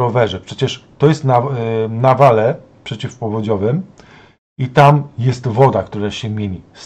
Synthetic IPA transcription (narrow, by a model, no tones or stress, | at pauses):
ɔvɛʐɛpʂɛt͡ɕɛʂt̪ɔjɛst̪nanavalɛ | pʂɛt͡ɕifpɔvɔd͡ʑɔvɘm | it̪amjɛst̪vɔd̪akt̪uɾaɕɛmʲjeɲis